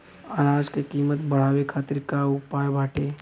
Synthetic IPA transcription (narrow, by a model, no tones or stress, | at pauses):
anaːd͡ʒkekiːmət̪bɐɽ̤aːwekʰaːt̪ɪɾkaʊpaːjbʱaːʈeː